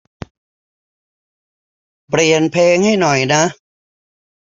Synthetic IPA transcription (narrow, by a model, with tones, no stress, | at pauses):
pɾi˨˩ənpʰeː˧ŋha˥˩jnɔ˨˩jna˦˥